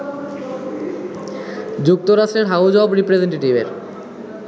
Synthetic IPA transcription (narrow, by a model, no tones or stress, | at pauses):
d͡ʑuk̚t̪oɾaʃʈɾeɾɦawd͡ʑɔbɾipɾed͡ʑeɳʈeʈibeɾ